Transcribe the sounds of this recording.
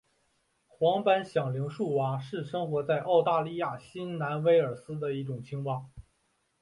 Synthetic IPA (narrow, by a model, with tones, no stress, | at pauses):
xwɑ˧˥ŋpa˥nɕjɑ˨˩ŋli˧˥ŋʂu˥˩wa˧˥ʂɻ̩˥˩ʂɤ˥ŋxwɔ˧˥t͡sa˥˧ɪʔɑ˥˧ʊt̪a˥˧li˥˧ja˥˩ɕi˥nna˧˥nwe˥ɪə˞˨˩sɹ̩˥d̪ə˨i˥˩ʈ͡ʂʊ˨˩ŋt͡ɕʰi˥ŋwɑ˥˩ŋ